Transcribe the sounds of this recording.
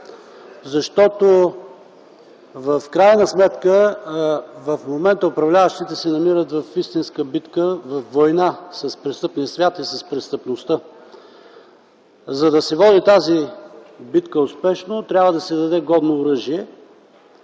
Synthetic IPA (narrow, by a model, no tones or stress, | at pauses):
zɐʃt̪ɔt̪o | vəfkɾajnəsmɛt̪kə | vɐfmomɛnt̪əʊpɾɐvlʲavəʃt̪it̪ɛsɛnɐmiɾət̪vɐfist̪inskəbit̪kəvɐfvojnasɐspɾɛst̪ɤpniəsvʲjat̪isɐspɾɛst̪əpnost̪ə | zɐd̪ɐsɛvɔd̪it̪azibit̪kəʊspɛʃnot̪ɾʲabvəd̪ɐsɛd̪ɐd̪ɛɡɔd̪noːɾɤʒiɛ